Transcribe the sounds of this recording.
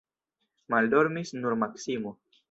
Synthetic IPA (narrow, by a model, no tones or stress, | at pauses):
maldo̞ɾmisnuɾmaksimo